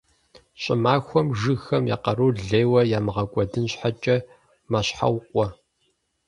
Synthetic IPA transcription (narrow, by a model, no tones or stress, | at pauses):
ɕʼɪmaːxʷɔmʒɨxɐmja̰ːqɐɾuːɮeːwɐjaːmɨʁɐkʷʼɔdɨnɕħat͡ʃʼɐ | maɕħa̰wqʷʼɔ